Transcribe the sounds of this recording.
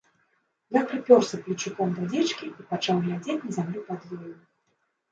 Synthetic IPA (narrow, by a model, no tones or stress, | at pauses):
jakɾɨpʲɔrsɐplʲit͡ʂukɔmd̪ad͡zʲɛt͡ʂkʲiipat͡ʂawɣlʲad͡zʲet͡sʲnɐzʲamlʲupad̪jeju